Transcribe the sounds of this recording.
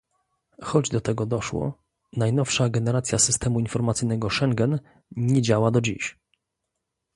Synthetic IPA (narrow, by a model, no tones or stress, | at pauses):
xɔd͡ʑd̪ɔt̪ɛɡɔd̪ɔʂwɔ̰ | najnɔfʂaɡɛnɛɾat̪sʲjasɘst̪ɛmuinfɔɾmat̪sɘjnɛɡɔʂɛŋɡɛn | ɲɛd͡ʑawad̪ɔd͡ʑiɕ